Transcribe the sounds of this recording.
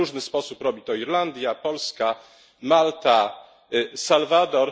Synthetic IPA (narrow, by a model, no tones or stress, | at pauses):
uʐnɘspɔsupɾɔbʲit̪ɔiɾland̪ʲjapɔlska | malt̪a | salvad̪ɔɾ